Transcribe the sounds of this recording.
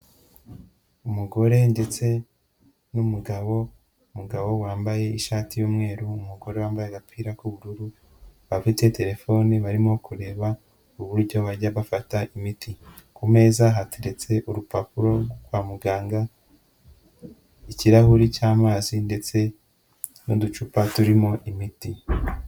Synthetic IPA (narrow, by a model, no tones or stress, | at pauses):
umuɡo̞ɾe̞nde̞t͡se̞ | numuɡaβo̞ | muɡaβo̞waːmbaje̞iʃaːtijuːmŋe̞ːɾuːmuɡo̞ɾe̞waːmbajeɡapʰiːɾakuβuɾuɾu | βafite̞te̞ɾe̞fo̞niβaɾimo̞kuɾe̞ːβa | uβuɾɟo̞βaɾɟaβafataimitʰi | kume̞ːzaɦatʰeɾe̞t͡se̞ʔuɾupapuɾo̞ɡoɡwaːmuɡaːŋɡa | iciɾahuɾicaːmaːzinde̞t͡se̞ | nudut͡ʃupatuɾimo̞ʔimiti